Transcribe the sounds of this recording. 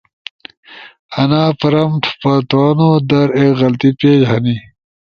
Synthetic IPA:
ɐnaːpɐɾɐmʈʰpɐt̪aːnod̪ɐɾeɣɐlt̪ipeːd͡ʑɦɐni

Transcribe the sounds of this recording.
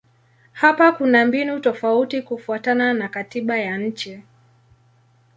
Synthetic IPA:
hapakunambinutɔfautikufuatananakatiɓajaɲ̩t͡ʃɛ

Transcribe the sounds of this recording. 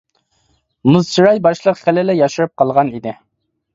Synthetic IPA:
mɨzt͡ʃʰiɾɑjbɑʃlˠəqχælɪlɪjɑʃuɾɨp̚qʰɑlˠʁɑnid̪ɪ

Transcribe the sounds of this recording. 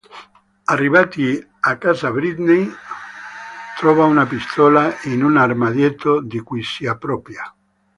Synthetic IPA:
arːiβat̪i | akazabɾid̪nej | t̪ɾɔvaunapist̪ʰɔlainunarmad̪jet̪ːod̪ikujsiapɾɔpɾja

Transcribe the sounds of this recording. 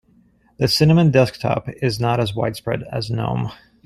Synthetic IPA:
ðɨsɪ̃nɨmɨ̃ndɛsk̚tʰɑ̰pɪznəɾɨzwa̰ɪd̥spɹɛ̰ɾɨ̰znõ̰ʊ̃m

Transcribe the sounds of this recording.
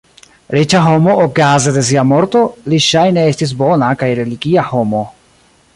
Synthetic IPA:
ɾet͡ʃaɦo̞moʔokazede̞s̬iamo̞ɾt̪o̞liʃajneestis̬bonakajɾe̞liɡiaho̞mo̞

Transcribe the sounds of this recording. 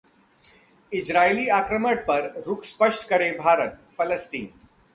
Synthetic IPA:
ɪd͡ʒɾaːiliːaːkɾəməɽ̚pɐɾɾʊkspəʃʈkɐɾebʱaːɾət̪̚pʰɐləst̪iːn

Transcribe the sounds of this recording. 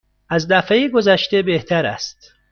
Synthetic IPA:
æzd̪æfejiɡozæʃt̪ebeht̪ʰæɾæ̰st̪

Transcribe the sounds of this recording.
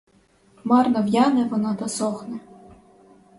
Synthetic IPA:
mɑrnɔwjɑnɛʋɔnɑt̪ɐsɔxnɛ

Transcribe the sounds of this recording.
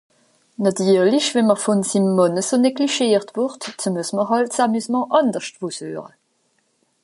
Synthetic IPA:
nɑtʰyːʁliçvɛnməʁfɔnsimːɑnəsoneɡliʃeːʁtvʊʁtsəmusməɦɑltsamysmɑ̃ʔɑndəʁʃtv̥ushø̰ːʁə̰

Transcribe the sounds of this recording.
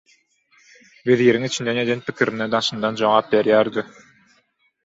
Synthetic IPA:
veðiːɾiŋit͡ʃind̪ɛned̪enpikʲiɾĭnɛd̪ɑʃɯ̆nd̪ɑnd͡ʒoŋɑp̚beɾjæːɾd̪y

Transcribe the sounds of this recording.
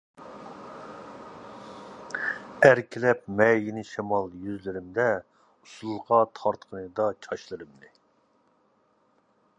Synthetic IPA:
æɾkʲʰilɛp̚mɛjinɪʃɛmɑlˠjyzlɪɾɪmd̪ɛ | usulˠʁɑt̪ʰɑɾt̪qʰənɨd̪ɑt͡ʃʰɑʃlˠɨɾɨmd̪ɨ

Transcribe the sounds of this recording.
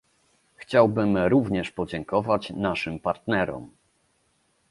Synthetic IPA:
xt͡ɕawbɘmɾuvɲɛʂpɔd͡ʑɛŋkɔvat͡ɕnaʂɘmpaɾt̪nɛɾɔ̰m

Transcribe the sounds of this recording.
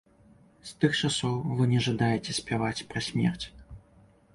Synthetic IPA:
st̪ɨxt͡ʂasɔwvɨnʲɛʐad̪ajɛt͡sʲɛsʲpʲavat͡sʲpɾɐsʲmʲɛ̰rt͡sʲ

